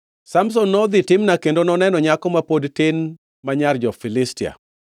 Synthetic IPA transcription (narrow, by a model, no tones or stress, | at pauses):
sams̬ɔnːɔd̪ɪtɪmnakendonɔnɛnɔɲakɔmapodtɪn | maɲard͡ʒɔfilɪstia̰